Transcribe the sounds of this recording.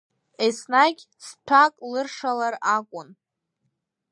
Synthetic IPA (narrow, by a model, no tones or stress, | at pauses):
esnaɡʲ | stʷʰakʼlɨrʂalarakʷʼʊn